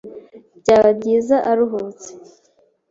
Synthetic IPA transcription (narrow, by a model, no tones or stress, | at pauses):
bɟaːβabɟiːzaʔaɾuɦot͡se̥